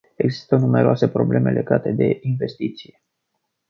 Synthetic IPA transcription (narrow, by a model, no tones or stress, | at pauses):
e̞ɡzist̪ənume̞ɾoase̞pɾo̞ble̞me̞lʔe̞ɡat̪e̞d̪e̞inve̞st̪it̪sije